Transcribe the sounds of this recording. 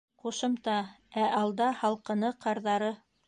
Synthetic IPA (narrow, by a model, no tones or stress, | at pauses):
quʃɤ̆mt̪ɑ | æʔɑlˠd̪ɑhɑlˠqɤ̆nɤqɑɾðɑɾɤ